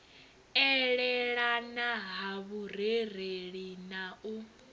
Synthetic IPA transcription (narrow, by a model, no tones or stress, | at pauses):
ɛɺɛɺanaɦaβurereɺinaʔu